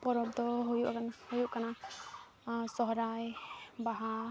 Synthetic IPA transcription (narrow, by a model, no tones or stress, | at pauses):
pɔɾɔbd̪ɔɦojuʔhojuʔkana | sɔɦɔɾajbaɦa